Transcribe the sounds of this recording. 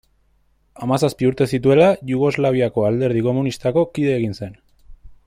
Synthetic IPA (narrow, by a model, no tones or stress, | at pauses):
amasaspiuɾt̪e̞sit̪̬ue̞laʝuɣ̞o̞zlaβ̞iako̞ald̪e̞ɾð̞iko̞munist̪ako̞kiðe̞ːɣinse̞n